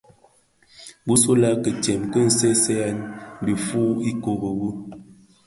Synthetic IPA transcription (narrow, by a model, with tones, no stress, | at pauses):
bu˦so˦la˦kə˨tjɛ˨mkə˦n̩˨sɛ˦sɛ˦a˦nbi˨fu˦i˦ko˨ɣə˨ɣu˦